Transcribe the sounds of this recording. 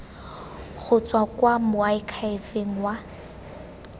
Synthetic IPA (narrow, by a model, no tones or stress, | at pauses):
χʊt͡sʼwakwamʊaɪkʰaɪfeŋ̩wa